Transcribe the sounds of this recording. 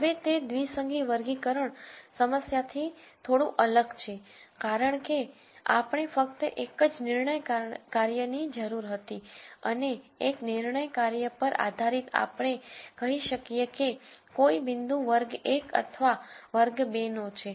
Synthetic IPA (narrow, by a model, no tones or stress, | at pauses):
ɦəʋet̪ed̪ʋisəŋɡiʋəɾɡikəɾəɳsəməsjat̪ʰit̪ʰoɽũʔələɡt͡ʃʰekaɾəɳke | a̰pɳ̃efək̚t̪əʔekəd͡ʒnɪɾɳəjkaɾjənid͡ʒəɾuɾɦət̪iə̰neːknɪɾɳəjkaɾjəpəɾa̰d̪ʱaɾit̪a̰pɳ̃ekəɦiʃəkijekekoibɪnd̪ũʋəɾɡekə̰t̪ʰʋaʋəɾɡbenot͡ʃʰe